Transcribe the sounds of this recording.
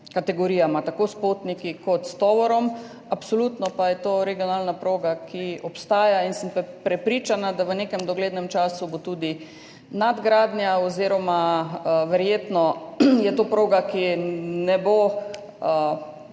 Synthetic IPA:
kat̪ɛɡɔɾiːjamat̪akoːspot̪nikikɔt̪st̪ɔːʋɔɾɔm | apsoluːt̪nɔpajɛt̪oːɾɛɡijɔnalnapɾoːɡakiɔpst̪aːjainsəmppɾɛpɾiːt͡ʃanad̪aʋənekɛmd̪ɔɡleːd̪nɛmt͡ʃaːsubot̪uːd̪i | nad̪ɡɾaːd̪nʲjaoziɾɔmaʋɛɾjeːt̪nɔjɛt̪opɾoːɡakinɛbo

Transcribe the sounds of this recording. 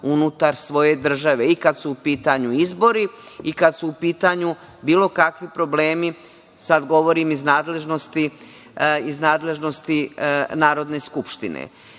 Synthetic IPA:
unut̪aɾsʋo̞je̞d̪r̩ʒaʋe̞ikad̪suːpiːt̪aɲuizbo̞ɾiikad̪suːpiːt̪aɲu | biːlˠo̞kakʋipɾo̞ble̞ːmi | sad̪ɡo̞ʋo̞ɾimiznaːd̪le̞ʒno̞st̪i | iznaːd̪le̞ʒno̞st̪inaːɾo̞d̪ne̞skupʃt̪inḛ

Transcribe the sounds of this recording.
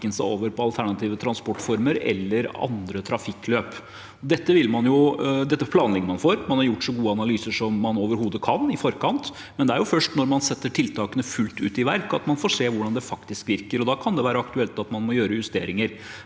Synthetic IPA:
ənəsæɪo̰ːʋəɾpɔɑlt̪ʰæɳɑt̪ʰiːʋət̪ʰɾɑnspɔʈːfɔɾməɾɛ̰lːəɾɑ̰nd̪ɾət̪ʰɾɑfɪkːløːp | ɔd̪ɛt̪ːəʋɪlmɑnjʊd̪ɛt̪ːəpʰlɑːnlɛɡ̪əmɑnfoːɾmɑnhɑɾjʊʈːʂɔɡuːəɑnɑlyːsəʂɔmːɑnoːʋəɾhuːd̪əkʰɑnɪfɔɾkʰɑnt̪ | mɛnd̪ɛæɾjʊfœʂʈnɔɾmɑnsɛt̪ːəʈʰɪlt̪ʰɑːkənəfʉlt̪ʉ̰ːt̪ɪʋæɾkɑt̪mɑnfoːʂeːʋʊɖɑnd̪ɛfɑkt̪ɪskʋɪɾkəɾɔd̪ɑːkʰɑnd̪ɛʋæːɾəɑkt̪ʉɛlt̪ɑt̪mɑnmɔjøːɾəjʉst̪ḛːɾɪŋəɾ

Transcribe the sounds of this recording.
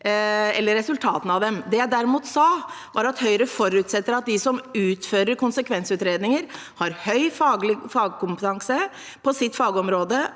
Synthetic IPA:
ɛlːəɾːɛsʉlt̪ʰɑːt̪n̩ɑʋd̪ɛmd̪ɛjæɪd̪æɾɪmuːt̪sɑːʋɑɾɑt̪hœʏɾəfɔɾʉːt̪sɛt̪ːəɾɑt̪̚d̪ɪsɔmʉːt̪føːɾəɾkʊnsəkʰʋɛnsʉːt̪ɾeːd̪nɪŋəɾ | hɑɾhœʏfɑɡlɪfɑːɡəkʊmpət̪ʰɑŋsə | pʰɔsɪt̪ːfɑːɡɔmɾoːd̪ə

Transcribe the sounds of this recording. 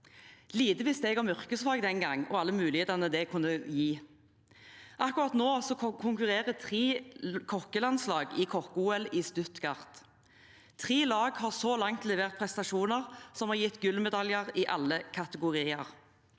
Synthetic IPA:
liːd̪əʋɪst̪eːɡɑmʏʁkəslɑːɡd̪ɛnɡɑŋɔɑlːəmʉːlɪheːt̪ɑnəd̪ɛkʰʉnːəjiː | ʔɑkʊʁɑt̪noːsɔkʰʊŋkʉʁeːʁət̪ʰʁiːkʰɔkəlɑnslɑːɡɪkʰɔkuːɛlɪːst̪ʉt̪kɑʁt̪ | t̪ʰʁiːlɑːɡhɑʁsɔlɑŋt̪lɛʋeːʁt̪̚pʰʁɛst̪ɑʃuːnəʁsɔmhɑːʁjɪt̪ːɡʉlmɛd̪ɑljəʁɪʔɑlːəkʰɑt̪əɡʊʁiːəʁ

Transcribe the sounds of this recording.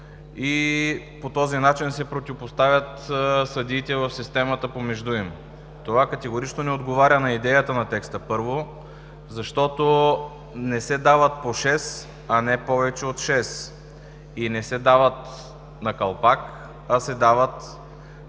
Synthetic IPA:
i | pot̪ɔzinat͡ʃinsɛpɾot̪ivopost̪avʲjət̪sɐd̪iːt̪ɛvəfsist̪ɛmət̪əpomɛʒd̪uim | t̪ovakɐt̪ɛɡoɾit͡ʃnonɛod̪ɡovaɾʲənɐid̪ɛjət̪ənɐt̪ɛkst̪əpɤɾvo | zɐʃt̪ɔt̪o | nɛsɛd̪avət̪̚poʃɛs | ɐnɛpɔvɛt͡ʃɛot̪ʃɛs | inɛsɛd̪avət̪ | nɐkɐlˠpak | ɐsɛd̪avət̪

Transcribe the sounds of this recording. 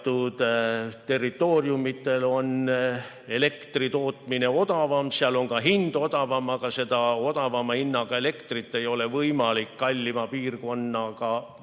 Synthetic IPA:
t̪ːˑud̪̥t̪e̞rːit̪ːˑoːrjumit̪ːe̞lo̞n | e̞le̞kt̪rit̪o̞ːt̪mine̞o̞d̪ɑvɑmseɑlo̞ŋkɑɦind̪o̞d̪ɑvɑmɑkɑse̞d̪ɑo̞d̪̥ɑvɑmɑhinːɑɡ̥ɑe̞le̞kt̪rit̪ːe̞jo̞le̞vɤjmɑlikːɑlʲːimɑpiːrko̞nːɑkɑ

